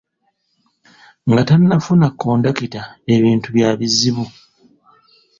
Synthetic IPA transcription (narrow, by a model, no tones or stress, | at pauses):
ŋɡatanːafunakʰːoːndakitae̞βiːntuβjaːβiziβu